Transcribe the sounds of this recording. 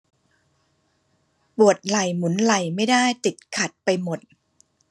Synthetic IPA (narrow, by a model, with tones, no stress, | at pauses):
pu˨˩ət̪̚la˨˩jmu˩˦nla˨˩jma˥˩jdaː˥˩jt̪i˨˩t̪̚kʰa˨˩t̪̚pa˧jmo˨˩t̪̚